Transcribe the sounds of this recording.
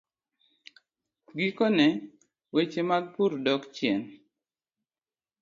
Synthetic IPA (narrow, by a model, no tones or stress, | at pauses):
ɡikonɛ | wet͡ʃemaɡ̚puɾdɔkt͡ʃjɛn